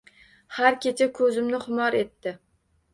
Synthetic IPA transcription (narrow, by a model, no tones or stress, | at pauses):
haɾkʲet͡ʃʰakʰɵzɪmnɪhʊmɒɾe̞t̪ːɪ